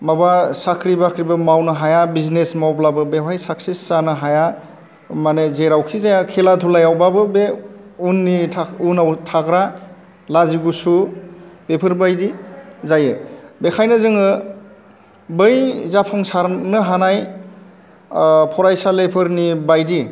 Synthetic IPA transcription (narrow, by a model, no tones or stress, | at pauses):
mabasakʰɾibakʰɾibɯmawnɯɦajabiznesmawblabɯbepʰajsaksisːanɯɦaja | manezeɾawkʰizajakʰeladʰʱulajawbabɯbeunːitʰaunawtʰaɡɾa | laziɡusub̥epʰɯɾbajdizajɯbekʰajnɯzɯŋɯ | bɯjzapʰɔŋsaɾnɯɦanaj | pʰɔɾajsalepʰɯɾnibajdi